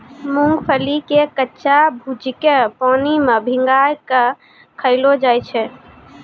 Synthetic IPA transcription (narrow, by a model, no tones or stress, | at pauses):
mũŋɡpʰəlikekətːʃabʱud͡ʒkepanimebʱiŋɡajke | kʰəɪlod͡ʒajt͡ʃʰɛ